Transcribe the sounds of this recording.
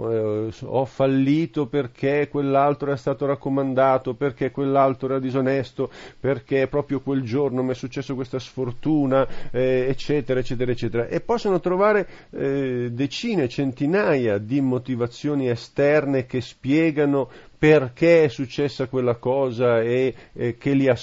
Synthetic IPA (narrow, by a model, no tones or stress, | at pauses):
ɔfːalːiːt̪operkʰekwelːalt̪ɾoɛɾast̪aːt̪oɾakːomand̪aːt̪operkekːwelːalt̪ɾoɛɾad̪izonɛst̪operkepːɾɔːpɾjokweld͡ʒornomɛsːut͡ʃːɛsːokwest̪asfort̪uːnaɛet͡ʃːɛːt̪eɾaet͡ʃːɛːt̪eɾaet͡ʃːɛːt̪eɾaʔepːɔsːonot̪ɾovaːɾe | d̪et͡ʃiːnet͡ʃent̪inaːjad̪imot̪ivat̪sːjoːniest̪ɛrnek̟espjɛːɡanoperk̟eɛsːut͡ʃːɛsːakwelːakɔːzaekʰːelia